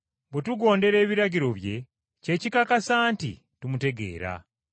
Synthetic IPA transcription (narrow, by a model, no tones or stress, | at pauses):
bwetuɡo̞ːnde̞ɾe̞ːβiɾaɟiɾo̞βje̞ | ce̞ːcikakasaːntḭ | tumute̞ɡe̞̰ːɾa̰